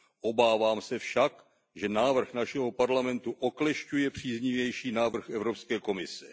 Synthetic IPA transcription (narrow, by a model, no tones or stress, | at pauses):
ʔo̞baːvaːmsɛfʃak | ʒɛnaːvr̩xnaʃɛɦo̞paɾlamɛnt̪uʔoklɛʃcujɛpr̝̥iːzɲɪvjɛjʃiːnaːvr̩xɛvɾo̞pskɛːko̞mɪsɛ